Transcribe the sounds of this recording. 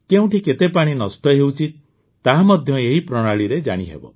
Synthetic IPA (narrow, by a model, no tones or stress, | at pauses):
keũʈʰiket̪epaɽ̃inɔsʈɔɦewt͡ʃʰi | t̪aɦamɔd̪ʱjɔeɦipɾɔɽ̃aɭiɾed͡ʒa̰ɽ̃iɦḛbɔ̰